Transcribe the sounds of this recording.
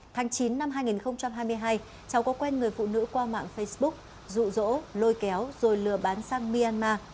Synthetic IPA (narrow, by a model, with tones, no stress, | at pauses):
t̪ʰaː˨˦ŋt͡ɕi˨˦nːa˧mɦaː˧jŋi˨˩nxə˧wŋ͡mt͡ɕa˧mɦaː˧jmɨ˧əjɦaː˧j | t͡ɕa˨˦wkɔ˨˦kwɛ˧nŋɨ˨˩əjfṵ˧˨nɨ̰˧˥kwaː˧ma̰ː˧˨ŋfə˧jsɓʊ˦˥k̚ | zṵ˧˨zo̰˧˥lo˧jkɛ˨˦wzo˨˩jlɨ˨˩əɓaː˨˦nsaː˧ŋmi˧ʔaː˧nmaː˧